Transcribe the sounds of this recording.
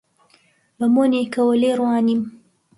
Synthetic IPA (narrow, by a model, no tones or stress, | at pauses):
bɐmonekɐwəleɾwɑːnim